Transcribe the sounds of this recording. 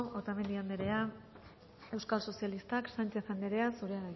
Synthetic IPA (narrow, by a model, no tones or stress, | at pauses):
ot̪ame̞nd̪iand̪eɾe̞a | e̞wskalso̞sialist̪aksant͡ʃe̞θand̪eɾe̞asuɾe̞aða